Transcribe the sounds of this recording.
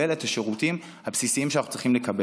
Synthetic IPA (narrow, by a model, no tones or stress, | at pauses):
eletaʃe̞ʁutim | habsisiimʃeanaχut͡sʁiχimlekɐbe